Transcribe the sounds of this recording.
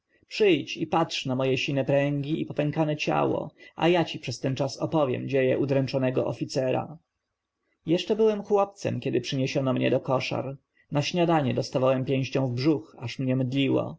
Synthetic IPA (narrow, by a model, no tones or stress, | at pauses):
pʂɘjt͡ɕipatʂnamɔjɛɕinɛpɾɛŋɡʲiipɔpɛŋkanɛt͡ɕa̰wɔ̰a̰jat͡ɕipʂɛst̪ɛnt͡ʂasɔpɔvʲjɛ̰md͡ʑejɛ̰ʔud̪ɾɛnt͡ʂɔnɛɡɔ̰ʔɔfʲit̪sɛɾa̰ | jɛʂt͡ʂɛbɘwɛmxwɔp̚t̪sɛ̰mkʲɛd̪ɘpʂɘɲeɕɔnɔmɲɛ̰d̪ɔkɔʂa̰ɾ | naɕɲad̪aɲɛd̪ɔst̪avawɛmpʲjẽw̃ɕt͡ɕɔ̃w̃vbʐuxaʂmɲɛmɘd̪lʲiwɔ̰